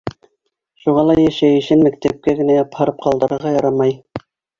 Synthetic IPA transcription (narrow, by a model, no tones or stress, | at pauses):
ʃuʁɑlˠɑjæʃæjɘ̆ʃɘnmæk̚t̪æp̚kæɡɘ̆næjɑphɑɾɤp̚qɑlˠd̪ɤ̆ɾɤ̆ɾʁɑjɑɾɑmɑj